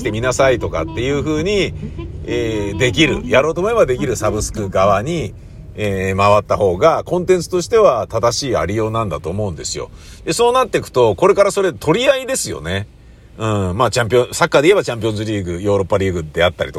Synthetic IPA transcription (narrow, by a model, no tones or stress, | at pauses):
i̥t̪e̞mʲinasait̪o̞ka̰t̪ːe̞jɯ̟ːɸɯ̟ːɲ̟i | eːd̪e̞k̬ʲiɾɯ̟̰jaɾo̞ːt̪o̞mo̞ebad̪e̞kʲiɾɯ̟sabɯ̟sɨ̥kɯ̟ɡaβaɲ̟i | eːmaβat̪ːaho̞ːɡakõ̞nt̪ẽ̞nt͡sɨ̥t̪o̞ɕi̥t̪e̞βat̪ad̪aɕiːa̰ɾʲijo̞ːnãnd̪at̪o̞ːmo̞ɯ̟̃nd̪e̞sɨjo̞̰ | d̪eso̞ːnat̪ːe̞kɯ̟̥t̪o̞ko̞ɾe̞kaɾaso̞ɾe̞t̪ʰo̞ɾʲiaid̪e̞sɨjo̞̰ne̞ | ɯ̟̃maːt͡ɕãmp̬ʲiõsakːad̪e̞ie̞bat͡ɕãmp̬ʲiõzɨɾʲiːɡɯ̟jo̞ːɾo̞pːaɾʲiːɡɯ̟d̪e̞at̪ːaɾit̪o